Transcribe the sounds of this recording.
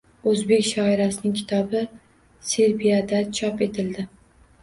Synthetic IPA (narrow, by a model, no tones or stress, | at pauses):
ɵzbe̞kʲʃɒɪɾasɪnɪŋkʲʰɪ̥t̪ʰɒbɪ | se̞ɾbijad̪at͡ʃʰɒpe̞t̪ʰɪld̪ɪ